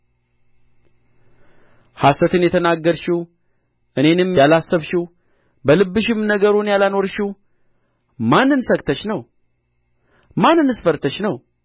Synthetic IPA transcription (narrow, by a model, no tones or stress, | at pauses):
hasət̪ʰɨnjɛt̪ʰənaɡːəɾʃiw | ʔɨne̞nɨmjalasːəβʃiw | bəlɨbːɨʃɪmnəɡəɾunjalano̞ɾʃiw | manːɨnsəɡt̪ʰəʃnəw | manːɨnɨsfəɾt̪ʰəʃnəw